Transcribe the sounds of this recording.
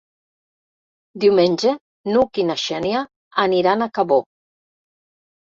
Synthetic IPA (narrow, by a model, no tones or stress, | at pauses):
d̪iwmenʲd͡ʒe | nukinaʃɛnjaː | niɾanakaβo